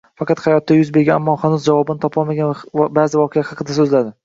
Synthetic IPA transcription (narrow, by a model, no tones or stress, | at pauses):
fɑqɑt̪hɑjɒt̪ːajʊzbe̞ɾɡʲaamːɒhanʊzd͡ʒavɒbɪnɪt̪ʰɒpʰɒlˠmaɡʲanvabazɪvɒqʰejahɑqʰɨd̪asɵzlad̪ɪ